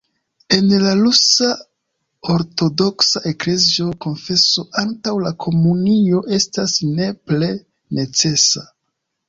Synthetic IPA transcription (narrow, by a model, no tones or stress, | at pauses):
e̞nlalusa | o̞ɾto̞do̞ksaʔe̞kle̞zio̞ko̞nfe̞soʔantawlakʰo̞munio̞ʔe̞stasne̞ple̞ | ne̞t͡se̞sa